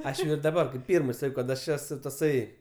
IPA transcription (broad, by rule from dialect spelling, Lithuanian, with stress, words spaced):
ˈɐʃ jɛʊ ɪr dɐˈbɐr ˈpʲiːrmɜ ˈsɑːkʲɛʊ kɐt ɐʃ ˈæːsʊ tɐˈsɐɪ